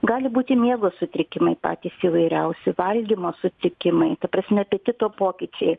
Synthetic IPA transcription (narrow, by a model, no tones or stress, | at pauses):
ɡɑːlʲɪbuːt̪ʲɪmʲeːɡoːsʊt̪ʲɾʲɪkʲɪmɐɪpɑ̰ːt̪ʲiːsiːʋɐɪɾʲɛʊsʲɛʋɐlʲɡʲimoːsʊt̪ʲɾʲɪkʲɪmɐɪt̪ɐpɾɐsʲmʲɛpʲeɛt̪ʲɪt̪oːpoːkʲɪt͡ʃʲɛɪ